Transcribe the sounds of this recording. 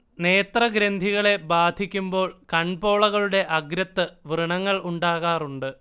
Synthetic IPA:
neːt̪rɐɡɾend̪ʱiɣɐɭe̞baːd̪ʱikʲːumbo̞ːɭkɐɳbo̞ːɭɐɣɐɭuɽe̞ʔɐɡɾɐt̪ːɨʋrɨɳɐŋːɐɭuɳɖaːɣaːruɳɖɨ

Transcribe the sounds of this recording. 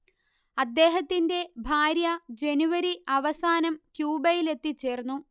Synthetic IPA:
ɐd̪ːe̞ːɦɐt̪ːinde̞bʱaːɾjɐd͡ʑe̞nuʋɐɾiʔɐʋɐsaːnɐmkjuːbɐjile̞t̪ːit͡ɕːe̞ːrnːu

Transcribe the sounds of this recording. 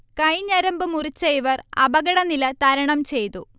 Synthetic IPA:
kɐjɲɐɾɐmbɨmurit͡ɕːejʋɐrɐbɐɣɐɽɐnilɐt̪ɐɾɐɳɐmt͡ɕe̞jt̪u

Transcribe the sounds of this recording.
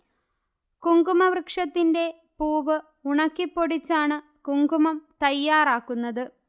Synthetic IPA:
kuŋɡumɐʋrɨkʂɐt̪ːinde̞ | puːʋɨ | uɳɐkːipːo̞ɽit͡ɕːaːɳɨ | kuŋɡumɐmt̪ɐjːaːraːkːunːɐðɨ

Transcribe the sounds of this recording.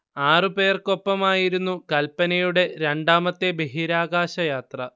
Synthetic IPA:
aːrɨpe̞ːrko̞pːɐmaːjiɾunːukɐlpːɐnɐjuɽe̞ɾe̞ɳɖaːmɐt̪ːe̞beɦiɾaːɡaːɕɐjaːt̪rɐ

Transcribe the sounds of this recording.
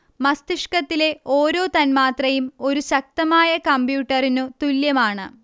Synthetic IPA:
mɐst̪iʂkɐt̪ːile̞oːɾo̞ːt̪ɐnmaːt̪rɐjumo̞ɾuɕɐk̚t̪ɐmaːjɐkɐmbjuːʈːɐrinut̪uljɐmaːɳɨ̰

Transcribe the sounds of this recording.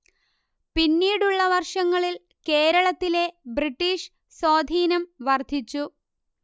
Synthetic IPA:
pinːiːɽuɭːɐʋɐrʂɐŋːɐɭil | ke̞ːɾɐɭɐt̪ːile̞briʈːiːʂ | so̞ːd̪ʱiːnɐmʋɐrd̪ʱit͡ɕːu

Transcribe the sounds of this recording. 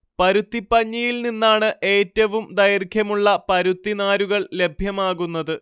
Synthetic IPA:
pɐɾut̪ːipːɐɲːɐjilninːaːɳɨʔe̞ːtːɐʋumd̪ɐjɐrkʰjɐmuɭːɐpɐɾut̪ːinaːɾuɣɐɭle̞bʱjɐmaːɣunːɐðɨ

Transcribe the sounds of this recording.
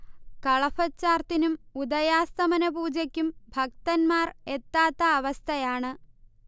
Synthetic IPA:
kɐɭɐfɐt͡ɕːaːrt̪inumud̪ɐjaːst̪ɐmɐnɐpuːd͡ʑɐkʲːumbʱɐk̚t̪ɐnmaːret̪ːaːt̪ːɐːʋɐst̪ʰɐjaːɳɨ

